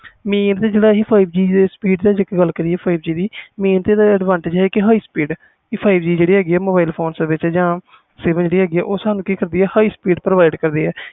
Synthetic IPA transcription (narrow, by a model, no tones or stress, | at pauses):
miːnt̪eːd͡ʒeːɽaːɦiːpʰaːibd͡ʒiːd̪espiːɖd̪aːd͡ʒəkɡəlkəɾiːɛːpʰaːibd͡ʒiːd̪iːmiːnt̪eːd̪aəɖʋãːɳʈɪːd͡ʒɦɛːkɪɦaːiːspiːɖ | iːpʰaːibd͡ʒiːd͡ʒeːɽiːɦɛːɡiːɛːmoːbaːɪlpʰoːnseːʋɪt͡ʃːd͡ʒãː | seːbə̃nd͡ʒeːɽiːɦɛːɡiːɛ̰ːʔoːsaːnũːkiːkəɾd̪iːɛːhaːiːspiːɖpɾəʋaːɪɖkəɾd̪iːɛː